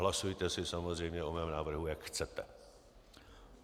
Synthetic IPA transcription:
lasujt̪ɛsɪsamozr̝ɛjmɲɛomɛːmnaːvr̩ɦujakxt͡sɛt̪ɛ

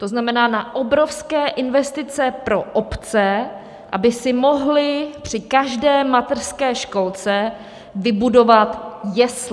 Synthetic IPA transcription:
t̪oznamɛnaːnaʔobɾo̞fskɛːʔɪnvɛst̪ɪt͡sɛpɾo̞ʔopt͡sɛ | ʔa̰bɪsɪmo̞ɦlɪpr̝̥ɪkaʒdɛːmat̪ɛrskɛːʃko̞lt͡sɛ | vɪbudovat̪jɛsl

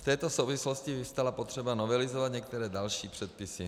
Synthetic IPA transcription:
ft̪ɛːt̪osowvɪsloscɪvɪfst̪alapot̪r̥ɛbanovɛlɪzovat̪ɲɛk̚t̪ɛɾɛːdalʃiːpr̝̥ɛt̪̚pɪsɪ

